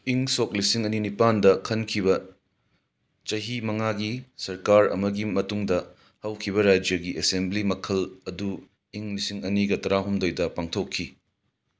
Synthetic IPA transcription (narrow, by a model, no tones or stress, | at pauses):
iŋsok̚lisiŋɐninipandɐkʰɐnkʰiβɐ | t͡ʃɐɦimɐŋaɡisɐɾkaɾɐ̰mɐɡimɐtuŋdɐ | hɐwkʰiβɐɾad͡ʒjɐɡiʔesemblimɐkʰɐlɐdu | iŋlisiŋɐniɡɐtɐɾaɦumdojdɐpaŋtʰokʰːi